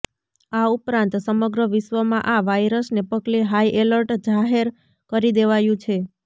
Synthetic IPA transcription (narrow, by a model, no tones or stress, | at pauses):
aupɾãnt̪səməɡɾəʋɪʃʋəmãʔaʋajɾəsnepəɡleɦaiʔeləɾʈd͡ʒaɦeɾ | kəɾid̪eʋajũt͡ʃʰe